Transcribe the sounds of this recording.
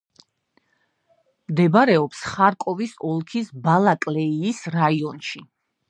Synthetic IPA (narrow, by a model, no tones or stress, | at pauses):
md̪ɛbaɾɛɔpsχaɾkʼɔvisɔlˠkʰisbalˠakʼlɛiːsɾaiɔnʃi